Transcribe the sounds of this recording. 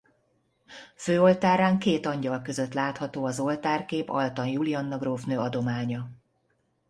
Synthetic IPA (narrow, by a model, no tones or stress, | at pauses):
føːo̞lt̪aːɾaːŋkeːt̪ɒɲɟɒlkøzø̞t̪laːt̪hɒt̪oːɒzo̞lt̪aːrkeːpɒ̰lt̪ɒnjuliɒnːɒɡroːfnøːɒd̪o̞maːɲɒ